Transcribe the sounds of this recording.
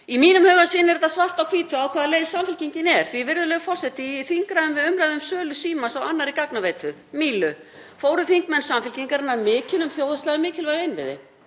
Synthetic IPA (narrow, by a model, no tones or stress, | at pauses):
imiːnʏmhœːɣasɪːnɛɾt̪asvar̥t̪awkʰv̥iːt̪ʏaːwkʰvaːðaleːjðsamfɪl̥ciɲcɪnɛɾ̥θvivɪɾðʏlœːɣʏfɔr̥sɛht̪ɪθiŋkɾajðʏmvɪðʏmɾajðʏmsœːlʏsiːmansawanːaɾikaknaveːjt̪ʰʏ | miːlʏ | foːwɾʏθiŋkmɛnsamfɪlciŋkaɾɪnːaɾmɪːcɪnʏmθjoːwðast̪laɣɪmɪːcɪlvajðɪnvɪ̰ðɪ̰